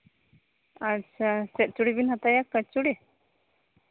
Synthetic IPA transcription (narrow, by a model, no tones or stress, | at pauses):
asasɛt̪̚t͡ʃuɽibinhat̪ajakːət͡ʃuɽe